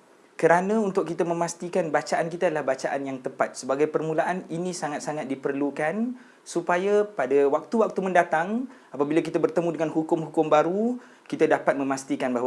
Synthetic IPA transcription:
kəɾanãunt̪ʊkːit̪amə̃mast̪ikanbat͡ʃaʔankit̪aːdalahbat͡ʃaʔanjaŋt̪əpat̪̚səbaɡajpərmũlaʔaninĩsaŋat̪̚saŋat̪̚dipərlukan | supajapadawak̚t̪uwak̚t̪umə̃ndat̪aŋ | apabilak̬it̪abərt̪əmũdəŋanhukʊmhukʊmbaɾu | kit̪adapat̪̚mə̃mast̪ikanbaɦwa

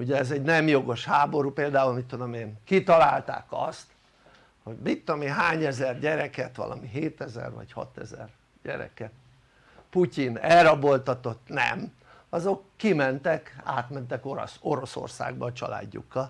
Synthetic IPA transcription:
uɟɛːzɛɟnɛmjo̞ɡo̞ʃhaːbo̞ɾupeːld̪aːulmit̪ːod̪omeːnkit̪ɒlaːlt̪a̰ːkɒst̪ | ho̞ɟmikt̪ːomiɦaːɲɛzɛrɟɛɾɛkɛt̪ʋɒ̰lʔɒ̰miɦeːt̪ɛzɛ̰rʋɒ̰chɒ̰t̪ɛzɛ̰r | ɟɛ̰ɾɛ̰kɛt̪ | pucinɛrɒbo̞lt̪ɒt̪o̞t̪nɛ̰m | ɒzo̞kːimɛnt̪ɛka̰ːt̪mɛnt̪ɛkoɾ̰so̞ɾo̞so̰rsa̰ːɡbɒːt͡ʃɒ̰la̰ːɟːṵkːɒl

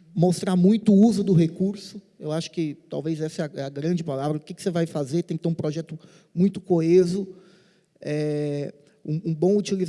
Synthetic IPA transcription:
most̪ɾamũj̃t̪ʊʊuzʊd̪ʊɦekuɾsʊ | ewaʃʊ̥kɪt̪awvezɛsɐɛɐɛɐɡɾɐ̃d͡ʒɪpalavɾɐʊkɪkɪ̥sevajfazeɾt̪ẽkt̪ẽũpɾɔʒɛt̪ʊ | mũj̃t̪ʊ̥koezʊ | ɛ | ũũbõw̃ut͡ʃiliz

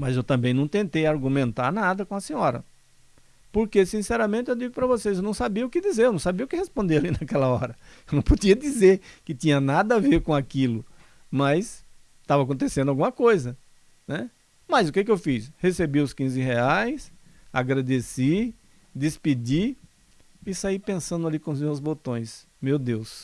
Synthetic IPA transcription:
mɐzewt̪ɐ̃mbẽj̃nɐ̃w̃t̪ẽnt̪ejaɾɡũmẽnt̪aɾnad̪ɐkõɐsĩɲɔɾɐ̰ | poɾkesĩsɛɾɐmẽnt̪ɪewd͡ʒiɡʊpɾɐvoseszewnɐ̃w̃sabiɐʊkɪd̪izeɾewnɐ̃w̃sabiɐʊkɪhespõnd̪ewalinakɛlɐɔɾɐewnɐ̃w̃podiɐd̪izeɾkɪt̪ĩɲɐnad̪ɐaveɾkõakilʊ | mɐs | t̪avɐak̬õnt̪esẽd̪ʊawɡũmɐkojzɐ | nɛ | mɐzʊkekɪewfishesebiʊskĩzɪɦeajs | a̰ɡɾad̪esi | d̪ɪspid͡ʒi | ɪsaipẽsɐ̃nd̪ʊalikõʊzmewzbot̪õj̃s | mewd̪ews

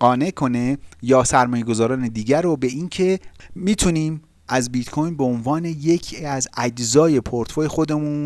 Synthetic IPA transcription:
ɢ̥ɒːne̞kʰo̞ne̞jɒːsæɾmɒːje̞ɡo̞zɒːɾɒːne̞d̪iːɟæɾobe̞iːncʰe̞miːt̪ʰuniːm | ʔæzbit̪kʰojnbeonvɒːne̞jecʰiæzæd͡ʒzɒːje̞pʰoɾt̪ʰfoje̞xo̞d̪e̞muːn

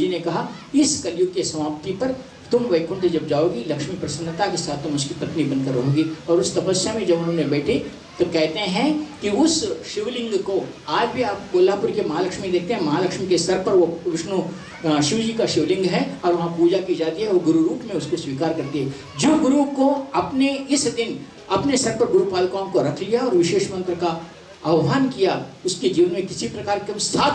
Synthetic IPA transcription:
d͡ʒinekɐɦa | ɪskɐljʊɡkesɐmaːpt̪ipɐɾ | t̪ʊmʋɐɪkʊ̃ɳsed͡ʒɐb̚d͡ʒaːoːɡilɐkʃmipɾɐsənːət̪akesaːt̪ʰːʊmʊskipɐt̪nibɐnd̪kɐɾːɐɦoːɡiɔːɾʊst̪ɐpəsjəmẽd͡ʒɐbʊnɦõːnebɛːʈʰe | t̪okɛɦt̪eɦɛ̃kiʊsʃɪʋlɪ̃ŋɡkoaːd͡ʒbʱiaːp̚koːlapʊɾkemɐɦaːlɐkʃmid̪eːk̚t̪eɦɛ̃mɐɦaːlɐkʃmikesɐɾpɐɾʋoʋɪʃnu | ʃɪʋd͡ʒiːkaʃɪʋlɪ̃ŋɡɦɛɔːɾʋɐɦãpuːd͡ʒakid͡ʒaːt̪iɦɛoːɡʊɾuɾuːpmẽʊskoswiːkaːɾkɐɾt̪iɦɛ | d͡ʒoːɡʊɾukoɐpneɪsd̪ɪn | ɐpnesɐɾpɐɾɡʊɾupaːlkaːõmkoɾɐkʰlijaɔːɾʋɪʃeːʃmɐ̃nt̪ɾka | ɐʋmaːnkijaʊsked͡ʒiːʋənmẽkɪsipɾɐkaːɾkesʰaːt̪

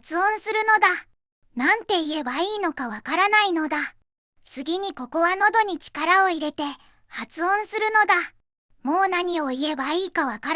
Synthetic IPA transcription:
t͡sɨõ̞ɰ̃sɨɾɯ̟no̞d̪a | nãnt̪e̞ie̞baiːno̞kaβakaɾanaino̞d̪a | t͡sɨɡʲiɲ̟iko̞ko̞βano̞d̪o̞ɲ̟it͡ɕi̥kaɾao̞iɾe̞t̪e̞ | hat͡sɨõ̞ɰ̃sɨɾɯno̞d̪a | mo̞ːnaɲ̟io̞ie̞baiːkaβ̞akaɾ

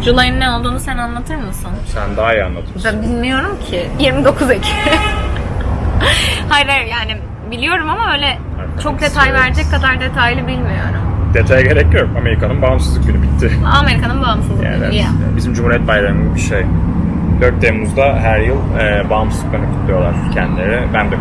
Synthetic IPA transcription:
d͡ʒulˠajinːæno̞lˠd̪uːnusænanlˠat̪ʰɯɾmɯsɯnsænd̪aːijanlˠat̪ʰɯmbænbilʲmijo̞ɾumcʰɪjiɾmid̪o̞kʰuzecʰi̥ | hajɾaɾjaːnɪ | bilʲijo̞ɾumamaøjlʲɛ | aɾt͡ʃʰo̞k̚d̪e̞t̪ʰajvæɾd͡ʒɛckːad̪aɾd̪e̞t̪ʰajilʲibilʲmijo̰ɾumd̪̥e̞t̪ʰajɟe̞ɾɛcːjokame̞ɾikʰanɯnbamsɯzɯk̚ɟynybit̪ʰːɪame̞ɾikʰanɯnbamsɯz̰ˠɛ̰bizimd͡ʒumhuɾijɛt̪bajɾaɾɯmɯzbiʃej | d̪øɾt̪̚d̪emuzd̪aɦæɾjɯlˠ | ɛːbamszɯ̥kanɯkʰut̪lˠujo̞lˠa̰ɾcʰɛnd̪ilʲeɾibænd̪ɛ

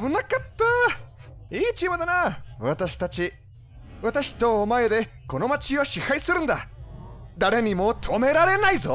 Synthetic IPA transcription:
bɯ̟nakat̪ːa | iːt͡ɕimɯd̪anaβat̪aɕi̥t̪at͡ɕi | βat̪aɕi̥t̪o̞ːmae̞d̪e̞ | ko̞no̞mat͡ɕiβaɕihaisɨɾɯ̟̃nd̪a | d̪aɾe̞ɲ̟imo̞ːt̪ʰo̞me̞ɾaɾe̞naizo̞

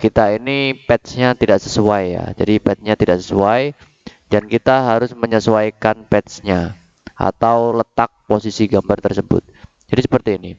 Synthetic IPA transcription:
kit̪ainipɛt̪sɲat̪idaʔsəsuaja̰d͡ʒadipɛt̪̚sɲat̪idaʔsəsuaj | dankit̪aɦaɾʊsməɲəsuajkanpɛt̪sɲa | ʔa̰t̪awlət̪ak̚posisiɡambart̪ərsəbʊ̰t̪̚ | d͡ʒadisəpərt̪iːni

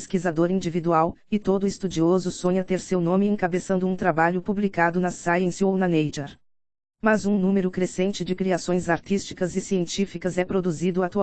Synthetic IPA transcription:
skizad̪oɾĩnd͡ʒivid̪uaw | ɪt̪od̪ʊɪst̪ud͡ʒiozʊsõɲɐt̪eɾsewnõmɪẽkabesɐ̃nd̪ʊũt̪ɾabaʎʊpublikad̪ʊnɐsajẽsownɐnejd͡ʒeɾ | mɐzũnũmeɾʊkɾesẽnt͡ʃɪd͡ʒɪkɾiasõj̃zaɾt͡ʃ̪ist͡ʃi̥kɐzɪsiẽnt͡ʃifikɐzɛpɾod̪uzid̪ʊat̪u

